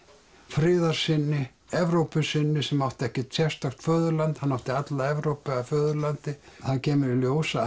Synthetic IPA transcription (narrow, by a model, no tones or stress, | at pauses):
fɾɪːðaɾ̥sɪnːɪ | ɛvɾowpʏsɪnːɪsɛmawht̪ɛhcɪt̪sjɛr̥st̪axt̪fœːðʏɾlant̪hanːawht̪ɪat̪laɛvɾowpɛafœːðʏlant̪ɪθaðcɛːmɪɾɪljoːwsa